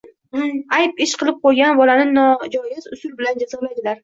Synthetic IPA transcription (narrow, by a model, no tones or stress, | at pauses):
ajpɪʃqʰɨlˠɪp̚qʰojɡʲanbɒlanɪnɒd͡ʒɒjɪzʊsʊlbɪland͡ʒazɨʁlajd̪ɪlaɾ